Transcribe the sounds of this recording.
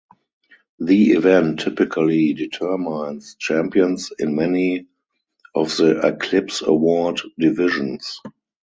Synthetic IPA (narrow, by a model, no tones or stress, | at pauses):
ðiivɛ̃ntʰːɪpɪkʰəliditʰɜ˞mãɪ̃nst͡ʃæ̃mpiə̃nsɪ̃nmɛni | ʔɔfðəʔɛkʰlɪpsə̰wɔddɪvɪʒə̃ns